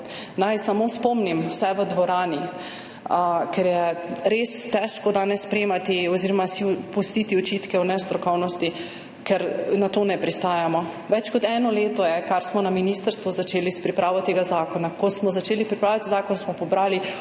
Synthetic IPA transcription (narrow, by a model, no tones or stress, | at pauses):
najsamospɔmnimwsɛʋəd̪ʋɔɾaːni | kɛɾjɛɾest̪ɛʃkɔd̪aːnɛsːpɾeːmat̪iɔziɾɔmasipust̪it̪iɔt͡ʃit̪kɛɔnɛst̪ɾɔkɔwnɔst̪i | kɛɾnat̪oːnɛpɾist̪aːjamɔ | ʋɛt͡ʃkɔt̪ɛnɔleːt̪ɔjɛkaɾsmɔnaminist̪əɾst̪ʋuzat͡ʃeːlispɾipɾaːʋɔt̪eːɡazaːkɔnakɔsmɔzat͡ʃeːlipɾipɾaːljat̪izaːkɔnsmɔpɔbɾaːli